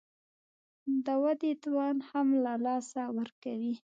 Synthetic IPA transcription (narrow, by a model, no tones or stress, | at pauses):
d̪əwad̪et̪wɑnhamlalɑsawəɾkawi